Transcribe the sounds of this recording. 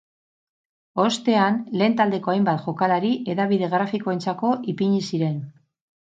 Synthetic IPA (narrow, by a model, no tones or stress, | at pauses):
o̞st̪e̞anle̞ːnt̪ald̪e̞ko̞ajmbat̪ʝo̞kalaɾiʔe̞ðaβiðe̞ɣɾafiko̞e̞nt͡sako̞ʔipiɲisiɾe̞n